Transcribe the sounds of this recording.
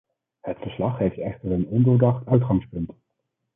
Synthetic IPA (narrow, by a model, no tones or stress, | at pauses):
hətfəɹslɑχɦejftɛχtəɹənɔndəɹdɑχtəɥtχɑŋspɵnt